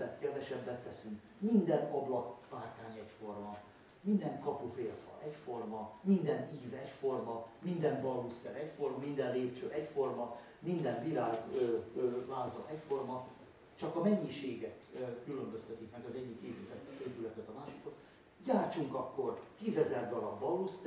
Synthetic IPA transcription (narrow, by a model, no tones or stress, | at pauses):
ɛt̪kɛrd̪ɛʃɛbːɛnt̪ːɛsyŋk | mind̪ɛnɒblɒkpaːrk̪aːɲɛcfo̞rmɒ | mind̪ɛŋkɒpufeːlfɒ̰ʔɛcfo̞rmɒmind̪ɛniːvɛcfo̞rmɒmind̪ɛnbɒlust̪ɛɾɛcfo̞rmɒmind̪ɛnleːpt͡ʃøːʔɛcfo̞rmɒ | mind̪ɛmbiɾaːløvaːzɒnɛcfo̞rmɒ | t͡ʃɒkɒmɛɲːiʃeːɡɛkːylømbøst̪ɛt̪ikmɛɡɒzɛɟːikːeːvyt̪ɛt̪eːvylɛkɛt̪ɒmaːʃi̥kot̪ | ɟaːrt͡ʃuŋkɒkːo̞rt̪iːzɛzɛrd̪ɒlɒbbɒlust̪